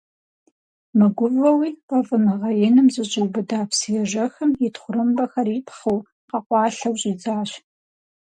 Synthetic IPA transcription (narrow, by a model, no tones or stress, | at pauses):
mɨɡʷʊvɐwiːqɐvɨmɨʁɐjɪnɨmzɨɕʼɪwbɨdaːpʰsijɛʒɐxɐmjɪtʰχʷʊɾɨmbɐxɐɾiːpʰχɐw | qɐqʷɑːɬɐwɕʼiːd͡zʼaːʃ